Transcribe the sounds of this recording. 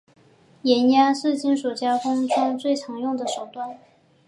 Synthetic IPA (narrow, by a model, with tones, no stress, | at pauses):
jɛ˧˥nja˥ʂɻ̩˥˧t͡ɕi˥˩nʂu˨˩t͡ɕja˥kʊ˥ŋʈ͡ʂʊ˥ŋt͡swe˥˩ɪt͡sʰɑ˧˥ŋjʊ˥˩ŋd̪ə˩ʂo˨˩ʊt̪wa˥˩n